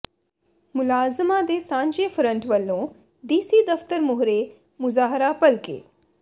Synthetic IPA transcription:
mʊlaːzəmãːd̪eːsãːɲd͡ʒeːpʰɾə̃ɳʈʋəlːõː | ɖiːsiːd̪əft̪əɾmʊɦɾeː | mʊzaːɦɾaːpəlkḛː

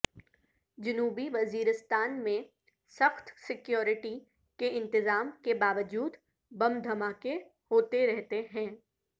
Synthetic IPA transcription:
d͡ʒɐnuːbiʋɐziːɾɪst̪aːnmẽ | sɐxt̪sɪkjoːɾɪʈi | keɪ̃nt̪ɪzaːmkebaːʋəd͡ʒuːd̪ | bɐmd̪ʱɐmaːkehoːt̪eɾɛɦt̪eɦɛ̃ː

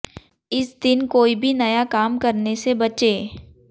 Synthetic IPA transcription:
ɪsd̪ɪnkoːibʱinɐjakaːmkɐɾnesebɐt͡ʃeː

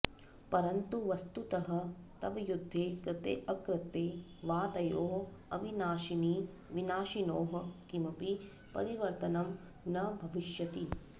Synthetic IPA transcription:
pɐɾɐnt̪uʋɐst̪ut̪ɐɦɐ̆t̪ɐʋɐjud̪ʱːeːkɾɪt̪ḛːʔɐkɾɪt̪ːeː | ʋaːt̪ɐjoːɦɐʋinaːʃini | ʋinaːʃinoːɦɐ̆kimɐpi | pɐ̰ɾiʋɐɾt̪ɐnɐm | nɐbʱɐʋiʃjɐt̪i

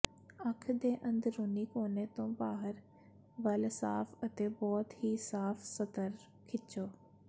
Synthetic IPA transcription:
akʰd̪ẽːʔɐ̃nd̪ɾʊnikoːnet̪õːbaːɦəɾ | ʋɐlsaːfɐt̪ebɔːt̪hiːsaːfsɐt̪əɾ | kʰɪt͡ʃoː

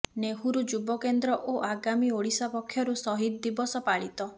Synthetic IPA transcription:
neɦuɾud͡ʒubɔkend̪ɾɔʔoʔaɡamioɽisapɔkʰːjɔɾusɔɦid̪̚d̪ibɔsɔpaɭit̪ɔ

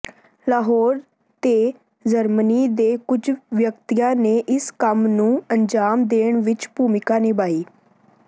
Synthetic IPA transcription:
laːɦɔːɾ | t̪eː | d͡ʒəɾmniːd̪eːkʊd͡ʒʋjəkt̪ijãːneːʔɪskəmnũːənd͡ʒaːmd̪eːɳʋɪt͡ʃpuːmɪkaːniːbaːiː

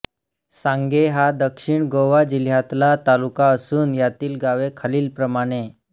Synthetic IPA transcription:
sãŋɡeɦad̪əkʂiɳɡoʋad͡ʑil̤jat̪lat̪alukaəsuːnjat̪iːlɡaʋekʰaliːlpɾəmaɽ̃e

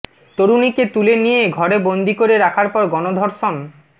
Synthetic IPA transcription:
t̪oɾuniket̪ulenijeɡʱɔɾebond̪ʱikoɾeɾakʰaɾpɔɾɡɔnod̪ʱoɾʃon

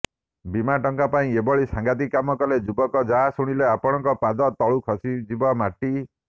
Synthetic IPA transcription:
bimaʈɔŋkapaĩebɔɭisãŋɡat̪̬ikːamɔkɔled͡ʒubɔkɔd͡ʒaɦasuɽ̃ileapɔɽ̃ɔŋkɔpad͡ʒɔt̪ɔɭukʰɔsid͡ʒibɔmaʈi

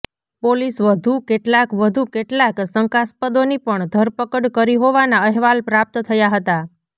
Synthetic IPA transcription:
polisʋəd̪ʱukeʈlakʋəd̪ʱukeʈlaksəŋkaspəd̪onipəɳd̪ʱəɾpəkəɽkəɾiɦoʋanaəɦʋalpɾap̚t̪t̪ʰəjaɦət̪a

